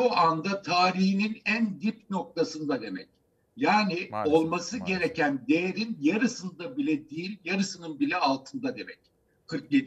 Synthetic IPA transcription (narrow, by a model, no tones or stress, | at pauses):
oʔand̪at̪ʰaːɾihininænd̪ipno̞k̚t̪ʰasɯnd̪ad̪e̞mɛ̰c̚ | jaːnɪo̞lˠmasɯɟe̞ɾe̞cʰænd̪ejeɾinjaɾɯsɯnd̪abilʲɛd̪iilʲjaɾɯsɯnɯnbilʲɛalˠt̪ʰɯnd̪ad̪e̞mɛc̚ | kʰɯɾk̚jed̪